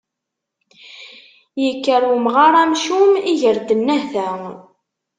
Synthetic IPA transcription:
jəkːəɾumʁaɾˤæmʃumiʝəɾd̪ənːæhθæ

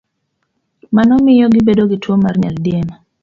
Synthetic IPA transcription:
manɔmɪjɔɡɪbedoɡɪtwomarɲa̰ldjema

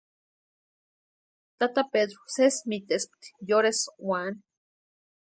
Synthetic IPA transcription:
t̪at̪apeðɾosesmit̪espt̪joɾeswan

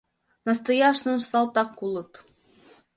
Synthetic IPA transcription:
nɑst̪ɤjɑʃnɤ̆nst̪ɑlˠt̪ɑkːulˠɤ̆t̪

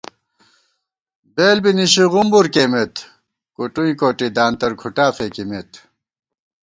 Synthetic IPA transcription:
beːlbiniɕiʁumbuɾkeːmet̪ | kuʈuĩkoːʈid̪aːnt̪ɐɾkʰuʈaːfeːkimet̪

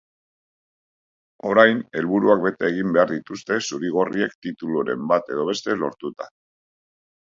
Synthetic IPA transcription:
o̞ɾajne̞lβuɾuakbe̞t̪eːɣ̞imbe̞aɾðit̪ust̪e̞suɾiɣ̞o̞rie̞kt̪it̪uluɾe̞̰mbat̪e̞ð̞o̞β̞e̞st̪e̞lo̞ɾt̪ut̪ḁ

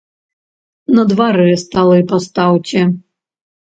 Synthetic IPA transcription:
nɐd̪vaɾɨɛst̪alˠɐipast̪awtʲɛ

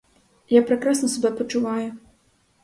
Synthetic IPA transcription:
japɾɛkɾasnɐsubʲɛpɐt͡ʂuvaju

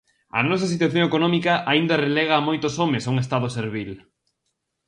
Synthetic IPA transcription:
ɐ̰nɔsɐsit̪waθjõŋekonɔmikɐʔaind̪ɐrelɛɣ̞ɐːmojt̪osomesauŋes̬t̪aðoseɾβil

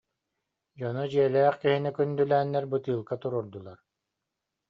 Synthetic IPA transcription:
d͡ʑɔnɔd͡ʑiɛlæːχkiɦinɛkynd̪ylæːnːɛɾbɯt̪ɯːlˠkat̪uɾuɾd̪ulˠaɾ

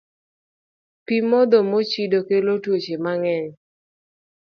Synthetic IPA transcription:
pimɔd̪ɔmot͡ʃidokelotwot͡ʃemaŋɛɲ

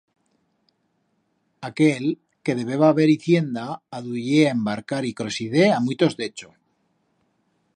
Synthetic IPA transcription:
akel | ke̞ðe̞βe̞βaːβe̞ɾiθje̞nd̪aːðuʝeaembaɾkaɾikɾo̞siðeamujt̪o̞zd̪e̞t͡ʃo

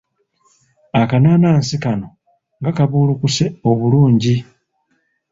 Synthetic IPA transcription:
akanaːnaːnsikano̞ | ŋɡakaβuːlukuse̞o̞βuluːɲɟi

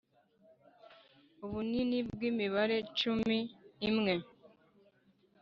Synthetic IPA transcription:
uβuninibɡiːmiβaɾe̞t͡ʃumiːmŋe̞

